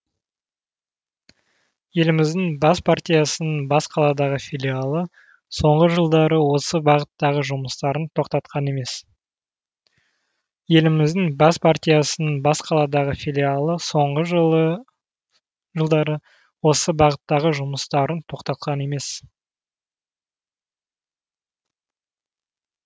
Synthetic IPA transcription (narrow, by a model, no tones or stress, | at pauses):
je̞lɪmɪzd̪ɪŋbɑspʰart̪ʲijasənənbɑsqʰɑlˠɑd̪ɑʁəfʲilʲialˠə | so̞ɴʁəʒəlˠd̪ɑɾəwo̞səbɑʁət̪ːɑʁəʒʊməst̪ɑɾənt̪ʰo̞qt̪ɑt̪qʰɑne̞me̞s | je̞lɪmɪzd̪ɪŋbɑspʰart̪ʲijasənənbɑsqʰɑlˠɑd̪ɑʁəfʲilʲialˠəso̞ɴʁəʒ | ʒəlˠd̪ɑɾə | wo̞səbɑʁət̪ːɑʁəʒʊməst̪ɑɾənt̪ʰo̞qt̪ɑt̪̚qʰɑne̞me̞s